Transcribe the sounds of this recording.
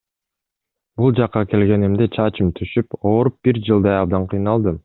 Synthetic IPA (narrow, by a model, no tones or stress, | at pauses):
bulˠd͡ʒɑqːɑke̞lɡe̞nimd̪et͡ʃʰɑt͡ʃɯmt̪ʰyʃypoːɾup̚biɾd͡ʒɯlˠd̪ɑjɑb̚d̪ɑɴqʰɯjnɑlˠd̪ɯm